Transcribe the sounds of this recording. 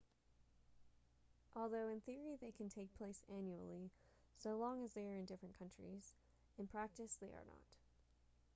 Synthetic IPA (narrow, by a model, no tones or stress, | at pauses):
ʔɔlˠðoʊɨ̃nθɪɹiðeɪkʰɨ̃ntʰeɪk̚pʰl̥eɪsæ̃njul̩ˠi | soʊlɔ̃ŋɨzðeɪə˞ɨ̃ndɪfɹɨ̃nkʰʌ̃nt͡ʃɹ̥ḭz | ɨ̃npʰɹ̥æk̚tɨsðeɪə̰˞nə̰t